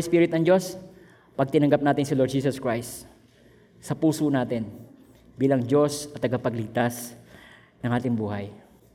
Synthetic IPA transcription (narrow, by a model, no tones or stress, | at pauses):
spiːɾɪt̪nɐŋd͡ʒo̞s | pɐɡ̚t̪ɪnɐŋɡɐp̚naːt̪ɪnsɪloɹd̪̚d͡ʒiːsɐskɹajst̪ | sɐpuːsonaːt̪ɛn | biːlɐŋd͡ʒo̞sɐt̪̚ːɐɡapɐɡlɪɡ̚t̪as | nɐŋʔaːt̪ɪŋbuːhɐj